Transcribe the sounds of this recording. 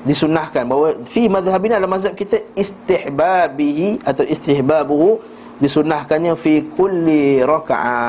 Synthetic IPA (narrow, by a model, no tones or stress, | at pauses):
disunahkanbawafimaðɦabinalamaz̬hab̚kit̪əist̪ɪħbabiɦiʔat̪awist̪ɪħbabuɦu | disunahkanɲãfikʰulːiɾaka̰ʕa̰